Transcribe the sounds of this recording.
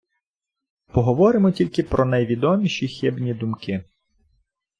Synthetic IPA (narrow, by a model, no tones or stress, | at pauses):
pɔɦɔʋɔɾɪmɔtʲilʲkɪpɾʔɔnɐjʋʲid̪ɔmʲiʃixʲɪbnʲid̪ʊmkɪ